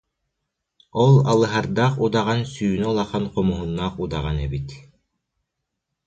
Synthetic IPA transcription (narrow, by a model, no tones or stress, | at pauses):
ɔlˠɑ̰lˠɯɦaɾd̪ɑqud̪ɑʁɑnsyjynyɔlˠɑχɑnqɔmuɦunːaqud̪ɑʁanɛbit̪